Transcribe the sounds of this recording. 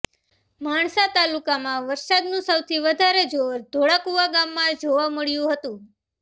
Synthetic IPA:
maɳsat̪alukamãʋəɾsad̪nũsəwt̪ʰiʋəd̪ʱaɾed͡ʒoɾd̪ʱoɭakuʋaɡamːãd͡ʒoʋaməɭjũɦət̪ũ

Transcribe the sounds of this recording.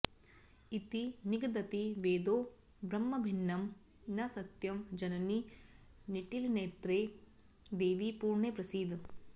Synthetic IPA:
it̪iniɡd̪ɐt̪iʋeːd̪oː | bɾɐmːɐbʱinːɐm | nɐsɐt̪jɐmd͡ʒɐnɐni | niʈilneːt̪ɾeː | d̪eːʋipuːɾɳeːpɾɐsiːd̪

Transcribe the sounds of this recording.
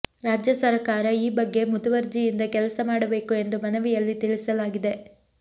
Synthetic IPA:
ɾaːd͡ʒjɐsɐɾɐkaːɾɐiːbɐɡːe̞mud̪ɐʋɐɾd͡ʒijind̪ɐkɛlɐsɐmaːɽɐbe̞ːkue̞nd̪umɐnɐʋijɐlːit̪iɭisɐlaːɡid̪e̞

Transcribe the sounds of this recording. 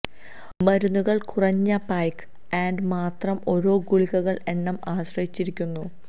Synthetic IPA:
mɐɾunːuɣɐɭkurɐɲːɐpaːjk | aːɳɖɨmaːt̪rɐmo̞ɾo̞ːɡuɭiɣɐɣɐɭe̞ɳːɐmaːɕrɐjit͡ɕːiɾikʲːunːu

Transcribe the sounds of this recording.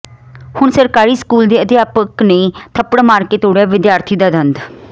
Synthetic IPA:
hʊɳsəɾkaːɾiːskuːld̪eːəd̪ɪjaːpəkneːt̪ʰəpɽmaːɾkeːt̪oːɽɛːʋɪd̪jaːɾt̪ʰiːd̪aːd̪ənd̪

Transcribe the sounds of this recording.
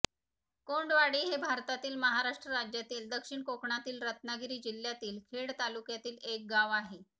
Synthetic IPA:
koɳɖʋaɽiːɦebʱaɾt̪at̪iːlməɦaɾaʂʈɾəɾad͡ʑjat̪iːld̪əkʂiɳkokɳat̪iːlɾət̪naɡɾiːd͡ʑilːjat̪iːlkʰeɽt̪alukjat̪iːlek̚ɡaʋaɦe

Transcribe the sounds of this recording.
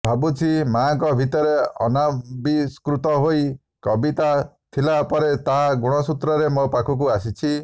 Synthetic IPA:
bʱabut͡ʃʰimaːŋkɔbʱit̪ɔɾeɔ̰nabiskɾut̪ɔɦoj | kɔbit̪at̪ʰilapɔɾet̪aɦaɡuɽ̃ɔsut̪ɾɔɾemɔpakʰuk̬uasit͡ʃʰi

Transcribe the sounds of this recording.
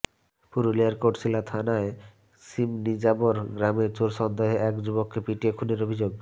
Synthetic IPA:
puɾoliaɾkoʈsilat̪ʰanae | simnid͡ʑaboɾɡɾameɾt͡ɕoɾʃɔnd̪eɦeʔɛkd͡ʑubokːepiʈiekʰuneɾobʱid͡ʑoɡ̚

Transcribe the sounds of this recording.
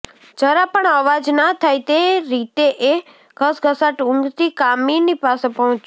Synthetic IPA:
d͡ʒəɾapəɳəʋad͡ʒnat̪ʰajt̪eɾit̪eʔe | ɡʱəsɡʱəsaʈʊ̃ŋɡt̪ikaminipasepəɦɔ̃t͡ʃ

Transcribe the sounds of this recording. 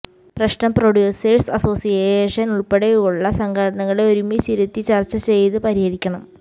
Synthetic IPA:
prɐɕnɐmproɽjuːsɐrsɐso̞ːsijeʂɐnuɭpeɽeuɭːɐsɐŋɡʱɐɽɐɳɐŋːɐɭeo̞ɾumit͡ɕiɾut̪ːit͡ɕɐrt͡ɕːɐt͡ɕe̞jt̪ɨpɐɾihɐɾikʲːɐɳɐm

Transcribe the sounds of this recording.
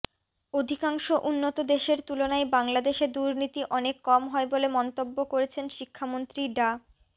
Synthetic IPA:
od̪ʱikaŋʃoʔunːot̪od̪eʃeɾt̪ulonaebaŋlad̪eʃeɾd̪uɾnit̪iʔɔnekːɔmɦɔebolemɔnt̪obːokoɾet͡ɕʰenʃikʰːamont̪ɾiɖa

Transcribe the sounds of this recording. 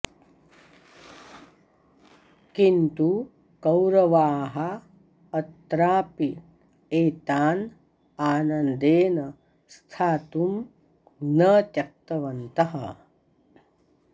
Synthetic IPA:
kint̪u | kɐwɾɐʋaːɦɐ | ɐt̪ɾaːpi | eːt̪aːn | aːnɐnd̪eːnɐ | st̪ʰaːt̪um | nɐt̪jɐk̚t̪ɐʋɐnt̪ɐɦɐ̰

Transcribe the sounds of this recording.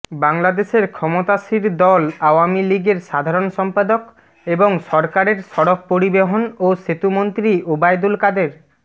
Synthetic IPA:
baŋlad̪eseɾkʰɔmot̪asiɾd̪ɔlawamiliɡeɾʃad̪ʱaɾɔnsɔmpad̪ok | eboŋsɔɾkaɾeɾsɔɽɔk̚poɾibeɦonoset̪umont̪ɾiobajd̪ulkad̪eɾ

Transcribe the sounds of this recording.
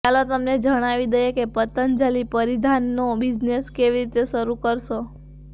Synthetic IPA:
kalot̪əmned͡ʒəɽ̃aʋid̪əjekepət̪ənd͡ʒalipəɾid̪ʱanːobid͡ʒneskeʋiɾit̪eʃəɾukəɾʃo

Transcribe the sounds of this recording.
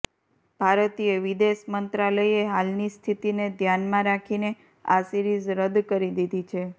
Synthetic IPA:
b̥ʱaɾət̪ieʋid̪eʃmənt̪ɾaləieɦalnist̪ʰit̪ined̪ʱjanmãɾakʰine | a̰siɾizɾəd̪kəɾid̪id̪ʱit͡ʃʰe

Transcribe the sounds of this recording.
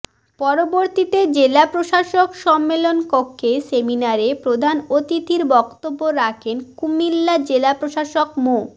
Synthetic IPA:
pɔɾoboɾt̪it̪ed͡ʑelapɾoʃaʃokʃɔmːelonkokʰːeseminaɾepɾod̪ʱanot̪it̪iɾbɔkt̪obːoɾakʰenkumilːad͡ʑelapɾoʃaʃokmo

